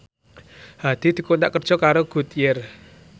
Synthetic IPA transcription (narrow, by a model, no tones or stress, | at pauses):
had̪̥i̤d̪̥i̤kunt̪a̰ʔkərd̥ʒ̥ɔ̤kaɾoɡ̥ṳt̪jɪr